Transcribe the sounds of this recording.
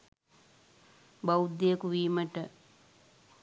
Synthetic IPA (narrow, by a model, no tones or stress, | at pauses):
bɐwud̪ːejəkuʋiːməʈə